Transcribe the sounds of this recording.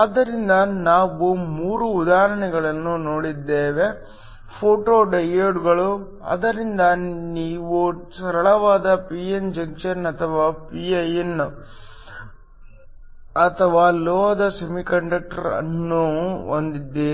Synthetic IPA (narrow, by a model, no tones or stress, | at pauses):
aːd̪ːɐɾind̪ɐnaːʋumuːɾuːd̪aːɦɐɾɐɳɛɡɐɭɐnːunoːɽid̪ːeːʋe̞ | pʰoːʈoːɖɐjeɖɡɐɭu | ɐ̰d̪ɐɾind̪ɐniːʋusɐɾɐɭɐʋaːd̪ɐpiend͡ʒɐŋk̚t͡ʃɐɾnɐt̪ʰɐʋaːpiɐjen | ɐt̪ʰɐʋaːlɔːɐd̪ɐsɐmikɐɳɖɐk̚ʈɐɾɐ̰nːuond̪id̪ːeː